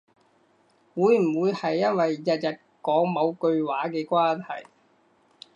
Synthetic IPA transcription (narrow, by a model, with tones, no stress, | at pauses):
wuː˨˧˥jm̩˨˩wuː˨˧jhɐ˨jːɐ˥nwɐ˨jːɐ˨t̚jɐ˨t̚kɔː˨˥ŋmɐ˨˧wkɵ˧ɥwaː˨˥kɛː˧kʷaː˥nhɐ˨˩j